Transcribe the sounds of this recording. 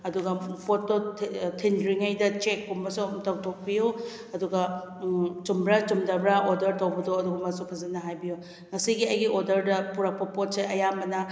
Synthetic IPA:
ɐduɡɐpʰototʰindɾiŋɐjdɐt͡ʃekːumɐsumtawtʰok̚biju | ɐduɡɐ | t͡ʃumbɾat͡ʃumdɐbɾaʔodɐɾtowbɐdoɐduɡɐmɐsupʰɐzɐnːɐɦajbiju | ŋɐsiɡiɐjɡiʔodɐɾdɐpuɾak̚pɐpot̚seʔɐjambɐnɐ

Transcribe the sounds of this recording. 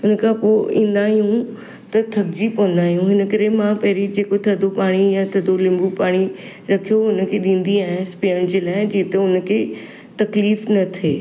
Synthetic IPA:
ʊnəkʰãpoḭ̃ːnd̪aːɦijũ | t̪ɐt̪ʰɐkd͡ʑipɔ̃ːn̆d̪aːɦijũɦɪnə̆kəɾemãpɛɦɾid͡ʑeːkot̪ʰɐd̪ʱopaːɽ̃ijãt̪ʰɐd̪olɪ̃mbupaːɽ̃i | ɾɐkʰijoʊnə̆kʰeɗĩːnd̪iaːɦɪ̃speəɽ̃d͡ʑelaːɦɪd͡ʑiːt̪əʊnkʰe | t̪ɐkliːfnɐt̪ʰeː

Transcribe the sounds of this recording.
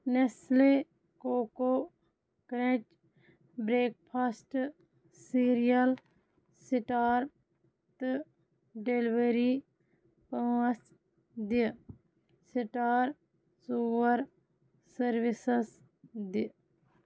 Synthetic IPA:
nesle | koːko | kɾẽt͡ʃ | bɾeːk̚pʰaːsʈ | siɾijɐl | siʈaːɾ | t̪ɨ | ɖelʋeɾi | pɐɐs | d̪i | siʈaːɾ | suːʋɐɾ | sɐɾʋisɐs | d̪i

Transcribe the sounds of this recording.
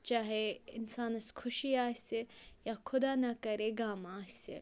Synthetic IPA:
t͡ʃaːɦeɪ̰nsaːnɐskʰʊʃiaːsejakʰʊd̪aːnɐkɐɾeɡaːmaːsḛ

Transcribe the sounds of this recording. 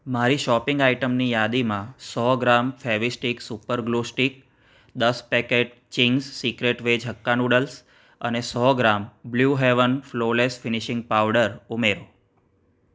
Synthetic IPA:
maɾiʃɔpɪ̃ŋɡaiʈəmnijad̪imãsɔɡɾamfɛʋisʈiksupəɾɡlusʈik̚ | d̪əspɛkeʈ̚ | t͡ʃiŋɡsːikɾeʈʋed͡ʒʱɦəkːanuɽəls | ə̰nesɔɡɾambljuɦeʋənflolesfɪniʃɪ̃ŋɡ̚paʋɖəɾumeɾo

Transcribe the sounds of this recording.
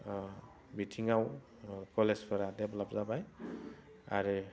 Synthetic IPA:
bitʰiŋaw | kɔlespʰɔɾadɛblapzabaj | a̰ɾe

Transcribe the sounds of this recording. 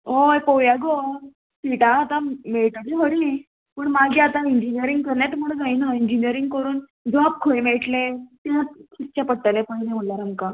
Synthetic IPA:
ɦojpowjaɡoɾ | siʈaːt̪ameɭʈət͡ɕiɦoɽiː | pəɳmaɡʱiːat̪aiɲd͡ʑinijəɾiŋɡ̚kəɾɳjat̪m̤əɽəd͡zainaiɲd͡ʑiniəɾiŋɡkəɾuːn | d͡zap̚kʰojmeɭʈlet̪akʰist͡ɕapəʈʈalepajlem̤əlaɾaŋɡka

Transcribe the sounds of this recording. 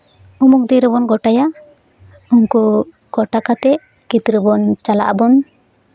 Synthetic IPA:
umuk̚d̪iɾɔβɔnɡɔʈaja | uŋku | ɡ̥ɔʈakat̪ɛ | kit̪ɾəbɔnt͡ʃala̰ʔbɔn

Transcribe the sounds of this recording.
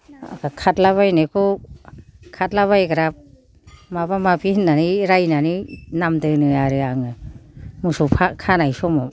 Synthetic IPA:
a̰kʰakʰatlaβajnekʰɔ | kʰat̚laβajɡɾap̚ | mabamabinːaniɾajnaninamdɯnɯaɾɯaŋɯmusupʰakʰanajsɔmɔ

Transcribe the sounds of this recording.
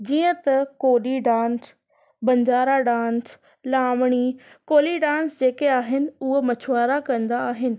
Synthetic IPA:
d͡ʑiːə̃t̪ɐkoːɗiɖãːns | bɐ̃ɲd͡ʑaːɾaɖãːns | laːmɽ̃i | koːliɖãːnsd͡ʑeːkeaːɦɪnɪ̆ʊɦomɐt͡ɕʰʋaːɾakɐ̃nd̪aːɦɪnɪ̆

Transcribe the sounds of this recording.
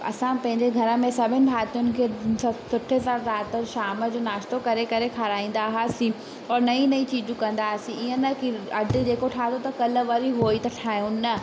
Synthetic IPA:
ɐ̰sãpɐ̃ɦɪ̃ɲd͡ʑeɡʱɐɾə̆mẽsɐbʱɪnɪ̆bʱaːt̪ijʊnɪ̆kʰesɐsʊʈʰezaːɾɾaːt̪əʃaːmə̆d͡ʑoːnaːʃt̪okɐɾekɐɾekʰaɾaːĩːn̆d̪aːɦaːsĩ | ɔːɾnɐĩnɐĩt͡ɕiːd͡ʑũkɐ̃nd̪aːsĩɪə̃nɐkiɐɖʱid͡ʑeːkoʈʰaːɦt̪ʰot̪ɐkɐləʋɐɾiɦoːit̪ɐʈʰaːjũnɐ

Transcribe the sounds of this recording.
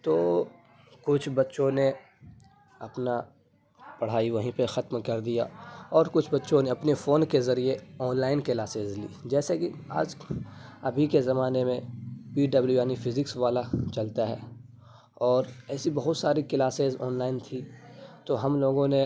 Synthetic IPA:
t̪oː | kʊt͡ʃʰbɐtːʃõne | ɐpna | pɐɽ̤aːiʋɐɦĩpexɐt̪mkɐɾd̪ija̰ɔːɾkʊt͡ʃʰbɐtːʃõneɐpnefoːnkezɐɾieɔːnlaːɪnkɪlaːseːzlḭːd͡ʒɛːsekia̰ːd͡ʒ | ɐbʱikezɐmaːnemẽpiːɖɐbljujaːnifʰɪzɪksʋaːlat͡ʃɐlt̪aɦɛ̰ː | ɔːɾɛːsibɐɦʊt̪saːɾikɪlaːsezɔːnlaːɪnt̪ʰit̪oɦɐmloːɡõne

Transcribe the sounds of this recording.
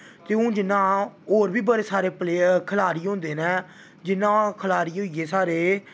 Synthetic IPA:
t̪eːũːd͡ʒɪnãːoːɾbiːbəɽeːsaːɾeːpleːkʰəlaːɾiːʊ̃ːnd̪eːnɛ̃ː | d͡ʒɪnãːkʰəlaːɾiːɦoːieːsaːɾeː

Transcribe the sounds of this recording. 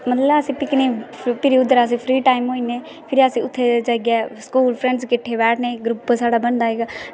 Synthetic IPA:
mət̪ləəsĩːpɪkniːpɪɾiʊd̪əɾəs̬ĩːpʰɾiːʈaːimɦoːineː | pʰɪɾiəsĩːʊt̪ʰːed͡ʒəɡɛːskuːlpʰɾɛ̃ɳɖskɪʈʰːebɛːʈʰnẽːɡɾʊpːsaːɽaːbənd̪aːɦeːɡa

